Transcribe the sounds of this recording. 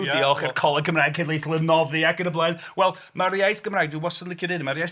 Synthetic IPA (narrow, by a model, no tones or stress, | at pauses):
iɔχɛrkʰɔlˠɛkʰəmraːɡkʰedlˠejθlˠənɔðɨakəɾəblˠanwɛlˠ | marjajθɡ̥əmraːjɡduəwɔsɔnlɪkʰjɔdɪnmaɾjaj